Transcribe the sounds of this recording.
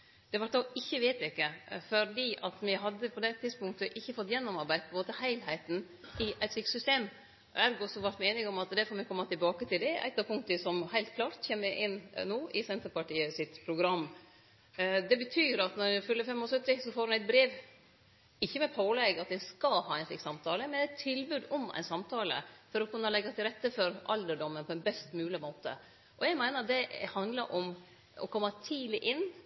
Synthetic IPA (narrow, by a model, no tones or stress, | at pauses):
d̪̥ɛʋɑʈ̚d̪ɑʔɪçːəʋeɪt̪ɪkːəfɔɾd̪iːʔɑt̪mɪɦɑd̪ːəpʰɔd̪ɛt̪ʰːɪd̪spʊŋkt̪əʔɪçːəfɔt̪ːjɛnːɔmɑɾbæɪd̪̚pʰɔɛmoːt̪əhæɪlhæɪt̪n | ɪʔæɪt̪sɪksʏst̪eːm̰ | æɾɡɔsɔʋɑɾʈ̪meːnɪŋɔmɑt̪d̪ɛfɔːɾmɛkʰɔmːɑt̪ɪlbɑːkət̪ɪld̪ɛʔæ̰t̪ːɑpʰʊŋt̪ɪsɔmhæɪlt̪̚kʰlɑːɾt̪çeːmːəʔɪnːnoːʔɪsɛnt̪əɾpɑʈiːəsɪt̪pʰɾʊɡɾɑmː | d̪ɛbət̪ʰyːɾɑt̪nɔɾfʉlːəfɛmːɔːsœt̪ːɪsɔfoːɾʉnæɪt̪̚bɾeːʋ | ɪçːəmɛpʰoːlɛɡɑt̪̚d̪ɛnskɑhɑːɛɪnflɪ̰ksɑmt̪ʰɑːləmɛnæɪt̪ʰːɪlbʉːd̪ɔmæ̰ɪnsɑmt̪ʰɑːlə̰fɔɾɔkʰʉnːəlɛɡːɑt̪ʰɪlɾɛt̪ːəfɔɾʔɑ̰ld̪əɖɔmːənpʰɔɛnbɛst̪mʉːlɪmoːt̪ə̰ | ʔɔjɛɡmæɪnəɾd̪ɛhɑnd̪ləɾʔɔm | ɔ̰kʰɔmːɑt̪ʰiːlɪʔɪnː